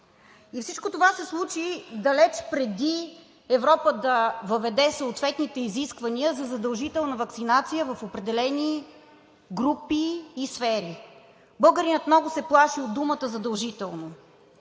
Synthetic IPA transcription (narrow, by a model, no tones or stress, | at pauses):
ifsit͡ʃkot̪ovasɛslˠut͡ʃid̪ɐlɛt͡ʃpɾɛd̪i | ɛvɾɔpəd̪ɐvəvɛd̪ɛsooːt̪vɛt̪nit̪ɛiziskvɐniəzɐzɐd̪ɐlˠʒit̪ɛlˠnəvɐksinat̪sijəvəfopɾɛd̪ɛlɛni | ɡɾupiːsfɛɾi | bɤlˠɡəɾinət̪mnɔɡʊsɛplˠaʃiod̪ːumət̪əzɐd̪ɐlˠʒit̪ɛlˠno